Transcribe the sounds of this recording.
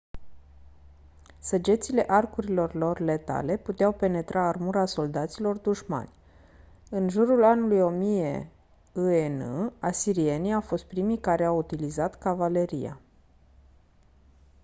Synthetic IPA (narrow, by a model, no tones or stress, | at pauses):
səd͡ʒe̞t̪sile̞ʔarkuɾilo̞rlo̞rle̞t̪a̰le̞put̪eawpe̞ne̞t̪ɾʔaːrmuɾaso̞ld̪at̪silo̞rd̪uʃma̰nʲ | ɨnʒuɾulanulujo̞mije̞̰ | uenɨ̰asiɾie̞nijawfo̞st̪̚pɾimikaɾe̞awut̪ilizat̪kavale̞ɾḭja̰